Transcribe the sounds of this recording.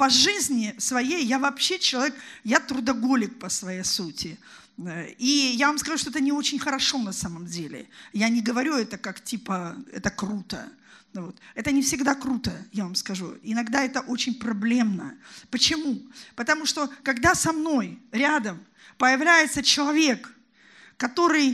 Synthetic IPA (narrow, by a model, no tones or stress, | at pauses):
pɐʐɨzʲnʲɪsvɐjejːavɐpɕːet͡ɕɪlˠɐvʲekjat̪ɾʊd̪ɐɡo̞lʲɪk̚pəsvɐjejsutʲɪ | ijavamskɐʐuʂt̪oɛt̪̬ənʲɪo̞t͡ɕɪnʲxəɾɐʂo̞nɐsaməmdʲelʲɪ̰janʲɪɡəvɐɾʲuɛt̪əkaktʲipəɛ̰t̪əkrut̪ə̰ | vo̞t̪ɛt̪ənʲɪfsʲɪɡd̪akɾut̪əjavamskɐʐṵɪnɐɡd̪aɛt̪əʔo̞t͡ɕɪnʲpɾɐblʲe̞mnəpət͡ɕɪmupət̪ɐmuʂt̪o̞kɐɡd̪asɐmno̞jɾʲad̪əm | pəjɪvlʲæjɪt̪sət͡ɕɪlˠɐvʲe̞kː | ɐt̪o̞ɾɨj